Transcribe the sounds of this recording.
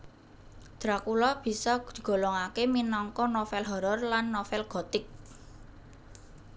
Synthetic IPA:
d̪̥ɾakulɔb̥i̤sɔɡ̥ɡ̥o̤lɔŋakeminɔŋkɔnofɛlɦɔɾɔrlanːofɛlɡ̥ɔ̤t̪ɪk̚

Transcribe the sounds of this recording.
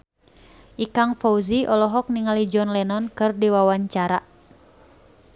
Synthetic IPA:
ʔikaŋfɔuziʔɔlɔɦɔk̚niŋalid͡ʒɔnlɛnɔnkɨrdiwawaɲt͡ʃaɾa

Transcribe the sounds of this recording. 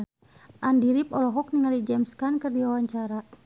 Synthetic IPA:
ʔandiɾipɔlɔɦɔk̚niŋalid͡ʒɛmskankɨrdiwawaɲt͡ʃaɾa

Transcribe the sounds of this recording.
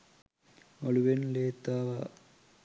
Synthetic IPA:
oɭuʋenleːt̪ːaːʋa

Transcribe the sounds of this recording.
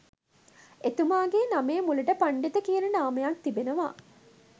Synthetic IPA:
et̪umaːɡeːnameːmulɐʈəpaɳɖit̪əkiənɐɖaːmɐjak̚t̪ibenəʋa̰ː

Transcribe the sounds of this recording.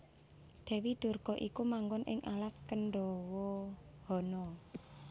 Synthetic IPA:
d̪̥ɛ̤wid̪̥o̤rɡ̥ɔ̤ʔikumaŋɡɔnʔɪ̰ŋʔalaskənɖɔwɔhɔnɔ

